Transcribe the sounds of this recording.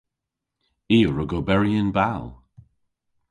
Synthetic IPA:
iːəɹəɡobɛɹiənbalˠ

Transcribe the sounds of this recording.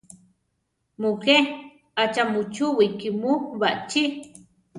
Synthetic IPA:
muke | at͡ʃamut͡ʃuwikimuβaʔt͡ʃi

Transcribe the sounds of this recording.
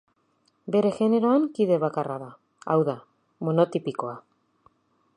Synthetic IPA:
be̞ɾe̞ɣe̞ne̞ɾo̞aŋkiðe̞β̞akaraða | a̰wða | mo̞no̞t̪ipiko̞a

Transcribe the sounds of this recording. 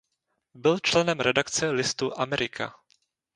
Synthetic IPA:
bɪlt͡ʃlɛnɛmɾɛdakt͡sɛlɪst̪uʔamɛɾɪkʰa̰

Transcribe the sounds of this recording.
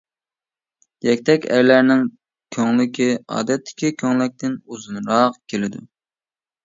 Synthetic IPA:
jɛkʲt̪ʰɛkʲæ̰ɾlæɾnɪŋ | kʲʰøŋlɪkʲiɑ̰ːd̪ɛt̪ʰːɪ̥kʲikʲʰøŋlɪk̚ʲt̪ʰɪnuzunɾɑqkʲʰelɪd̪u

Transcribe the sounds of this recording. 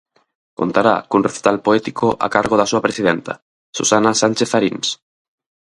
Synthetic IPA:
ko̰nt̪aɾa̰kunreθi̥t̪alpoɛt̪ikoʔa̰kaɾɣoðasuɐpɾesiðɛnt̪ɐ̰ | susanasanʲt͡ʃeθaɾiŋs

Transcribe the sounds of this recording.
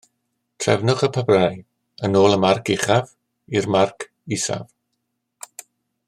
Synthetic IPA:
tʰrɛ̰vnʊχəpʰabraj | ənoːlˠəmarkʰɪχav | irmarkʰ | ɪsa̰v

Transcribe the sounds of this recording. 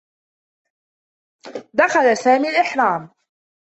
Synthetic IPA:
d̪axalasaːmiːalʔɪħɾˤɑːm

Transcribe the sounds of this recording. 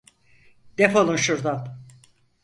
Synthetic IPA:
d̪̥efolˠunʃuɾd̪an

